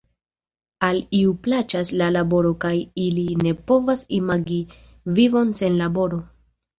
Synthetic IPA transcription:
aliuplat͡ʃaslalabo̞ɾo̞kajiline̞po̞vasimaɡi | vivo̞nse̞nlabo̞ɾo̞

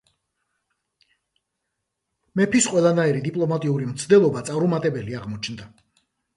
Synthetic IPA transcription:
mɛpʰisqʼwɛlˠanaiɾid̪ipʼlˠɔmat̪ʼiuɾimt̪sʰd̪ɛlˠɔbat̪sʼaɾumat̪ʼɛbɛliaʁmɔt͡ʃʰnd̪a

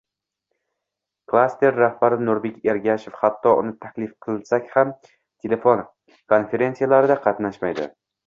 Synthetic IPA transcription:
kʰlˠast̪e̞ɾːahbaɾɪnʊɾbe̞kʲeɾɡʲaʃofhat̪ʰːɒʔʊ̰nɪt̪ʰakʲlɪfqʰɨlsakʲham | t̪ʰele̞fon | kʰo̞nfe̞ɾe̞nsijalaɾɪd̪aqʰɑt̪naʃmajd̪ɪ̰

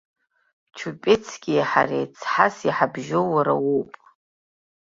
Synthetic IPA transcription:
t͡ʃʰupʼet͡sʰɡʲijħa̰rḛjt͡sʰħasiħabʒowaɾa̰wopʼ

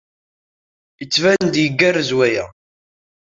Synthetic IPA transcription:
jət͡sːvænd̪jəɡːærzwæjæ̰

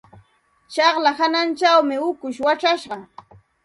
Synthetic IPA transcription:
t͡ʃɑχlahanant͡ʃawmɪʊkʊʃwaʈ͡ʂaʃɢɑ

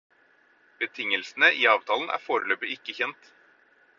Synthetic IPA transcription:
b̥ət̪ʰɪŋːəlsn̩əʔiːɑːʋt̪ʰɑːln̩ʔæ̰ːɾfoːɾəløːpəɪkːəçɛnt̪

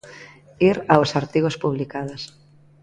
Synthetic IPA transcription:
iɾawsaɾt̪iɣospuβ̞likaðos

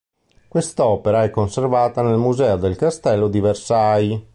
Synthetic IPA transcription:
kwest̪ɔːpeɾaɛkːonservaːt̪anelmuzɛod̪elkast̪ɛlːod̪iversaj

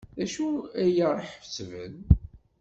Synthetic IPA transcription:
æʃuæjərˤːəħft͡sːvə̰n

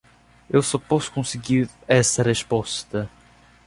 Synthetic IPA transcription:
ewsɔpɔskõsiɡiɾɛsɐʁeʃpɔst̪ɐ

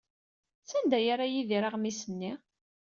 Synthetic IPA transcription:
sænd̪æjaɾajiðiɾaʁmisənːi

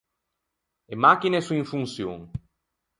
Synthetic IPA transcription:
emakinesuĩɱfunsjo̰ŋ

